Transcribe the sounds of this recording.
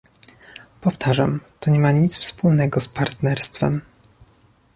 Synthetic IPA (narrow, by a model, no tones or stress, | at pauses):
pɔft̪ʰaʐa̰mt̪ɔɲɛmaɲit̪sfspulnɛɡɔspaɾt̪nɛɾst̪fɛ̰m